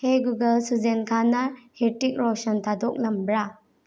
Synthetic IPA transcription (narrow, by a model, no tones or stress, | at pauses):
heɡuɡɐlsuzenkʰanaheɾtik̚ɾɔsɔntʰadɔk̚lɐmbɾa